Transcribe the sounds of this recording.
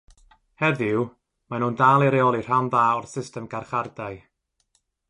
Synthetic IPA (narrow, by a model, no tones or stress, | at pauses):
hɛðɪw | manuːndalˠiɾeɔlˠir̥amðaːɔrsɪstɛmɡ̥arχardaɨ